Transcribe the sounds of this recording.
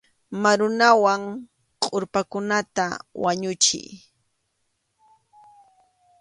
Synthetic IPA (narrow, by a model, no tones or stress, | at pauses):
maɾʊnawaŋ | qʼoɾpakʊnat̪awaɲʊt͡ʃɪ̰j